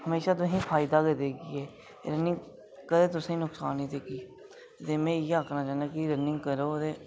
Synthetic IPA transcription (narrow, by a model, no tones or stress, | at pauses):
həmeːʃaːt̪̬ʊɦĩːpʰaːɪd̪aːkəd̪eːɡiːɛː | ɾənɪ̃ŋɡ | kəɾeːt̪̬ʊsẽĩnʊksaːnɦĩːt̪eːkiː | t̪eːmɛ̃ːjeːaːknaːt͡ʃaːnaːkiɾənɪ̃ŋɡkəɾoːd̪eː